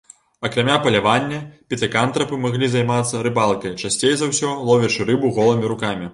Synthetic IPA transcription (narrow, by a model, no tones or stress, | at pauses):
ɐkɾamʲapɐlʲavanʲːɐpʲit̪ɨkant̪ɾɐpɨmaɣlʲizajmat̪sːɐɾɨbalˠkɐjt͡ʂasʲt͡sʲejzawsʲɔlˠɔvʲɛt͡ʂɨɾɨbuɣɔlˠɐmʲiɾukamʲi